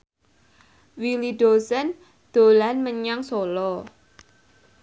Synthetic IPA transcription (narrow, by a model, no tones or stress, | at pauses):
wiliɖ̥osən | d̪̥o̤lanməɲaŋsolɔ